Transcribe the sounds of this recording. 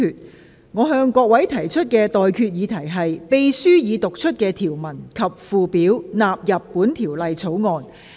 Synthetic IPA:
yː˨˧t̚ | ŋɔː˨˧ɦœː˧ŋkɔː˧k̚wɐ˨˥jt̪ʰɐ˨˩jt͡ʃʰɵ˥t̚kɛː˧t̪ɔː˨jkʰyː˧t̚jiː˨˧t̪ʰɐ˨˩jɦɐ˨jpe˨jsyː˥jiː˨˧t̪ʊ˨k̚t͡ʃʰɵ˥t̚kɛː˧t̪ʰiː˨˩wmɐ˨˩nkʰɐ˨p̚fuː˨piː˨˥wnaː˨p̚jɐ˨pːuː˨˥nt̪ʰiː˨˩wlɐ˨jt͡sʰo˨˥wŋɔː˧n

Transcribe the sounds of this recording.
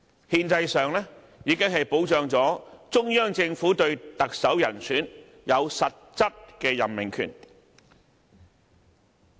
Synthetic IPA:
hiː˧nt͡sɐ˧jsœː˨ŋlɛː˥ | jiː˨˧kɪ˥ŋɦɐ˨jpo˨˥wt͡ʃœː˨˧ŋt͡sɔː˨˥t͡sʊ˥ŋjœː˥ŋt͡sɪ˧ŋfuː˨˥t̪ɵ˧ɥt̪ɐ˨k̚sɐ˨˥wjɐ̰˨˩nsʰyː˨˥n | jɐ˨˧wsɐ˨t̚t͡sɐ˥p̚kɛː˧jɐ˨˩nmɪ˨ŋkʰy̰˨˩n

